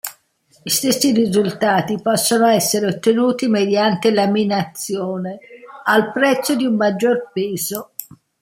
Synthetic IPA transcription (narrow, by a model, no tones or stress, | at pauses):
ist̪esːirizult̪aːt̪ipɔsːonoɛsːeɾeot̪ːenuːt̪imed̪jant̪elaminat̪sːjɔːnealpɾɛt̪sːod̪iumːad͡ʒːorpeːzo